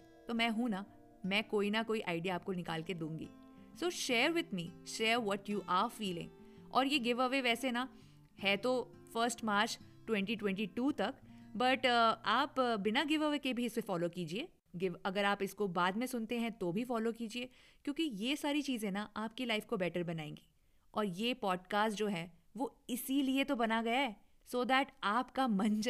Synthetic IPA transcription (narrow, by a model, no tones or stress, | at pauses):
t̪oːmɛ̃ːɦũna | mɛ̃ːkoːinɐkoːiʔaːɪɖijaːp̚konɪka̰ːlked̪ũːŋɡḭː | soːʃeːɾwɪd̪miːʃeːɾʋɔʈjuːʔaːɾfiːlɪ̰̃ŋ | ɔ̰ːɾjeɡɪʋəʋeʋɛːsenɐ | hɛt̪o | fəːɾsʈmaːɾt͡ʃ | ʈwɛ̃ɳʈiʈwɛ̃ɳʈiʈuːt̪ɐkbɐʈaːpbɪnaɡɪʋəʋekebʱiɪsmẽfɔːlokiːd͡ʒieː | ɡɪʋɐɡəɾaːpɪskobaːd̪mẽsʊnt̪eɦɛ̃t̪obʱifɔːlokiːd͡ʒieːkjõːkijesaːɾit͡ʃiːzẽnaʔaːp̚kelaɪfkobɛːʈəɾbɐnaːḛ̃ːŋɡi̥ː | ɔːɾjeːpɔːɖkaːsʈd͡ʒoːɦɛː | ʋoɪsiliet̪obɐnaɡɐjaɛ | soːd̪ɛːʈaːpkamɐ̃nd͡ʒ